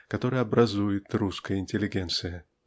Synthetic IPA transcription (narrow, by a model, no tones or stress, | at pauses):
kɐt̪o̞ɾəjəɐbɾʔɐzujɪt̪ruskəjəɪnʲtʲɪlʲːɪɡʲent̪sɨjə